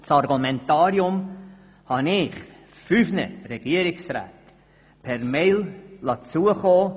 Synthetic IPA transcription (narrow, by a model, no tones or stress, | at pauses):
t͡sɑrɡumɛntɑːɾiʊm | hɑnɪχ | fyfnə̰ɾɛɡ̥iəɾɪksra̰ːt | pʰɛɾmeɪllɑt͡suəχoː